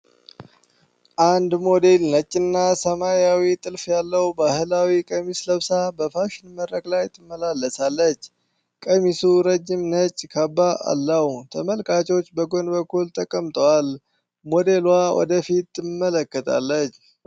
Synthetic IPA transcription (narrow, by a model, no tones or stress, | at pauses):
ʔand̪mo̞d̪e̞lnət͡ʃʼːɪnːasəmajawit̪ʼɨlfjalːəwbahɨlawikʼəmisləβsabəfaʃɪnməɾɾəkʼlajt̪ʰɨmːəlalːəsalːət͡ʃː | kʼəmisuɾəd͡ʒːɪmnət͡ʃʼːkʰabːaa̰lːəht̪ʰəməlkʰʼat͡ʃʼɛwt͡ʃːbəɡo̞nbəkːult̪ʼəkʼːəmt̪ʼəwal | mo̞d̪e̞lwawɔ̰d̪əfit̪ːɨmːələkːət̪ʼa̰lːət͡ʃː